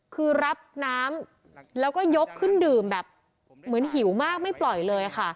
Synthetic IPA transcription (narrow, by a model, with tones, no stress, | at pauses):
kʰɯː˧ɾa˦˥p̚naː˦˥m | lɛː˦˥wkɔː˥˩jo˦˥kʰːɯ˥˩ndɯː˨˩mbɛː˨˩p̚ | mɯ˩˦ənɦi˩˦wmaː˥˩k̚ma˥˩jplɔ˨˩jlɤː˧ja˨˩xa˥˩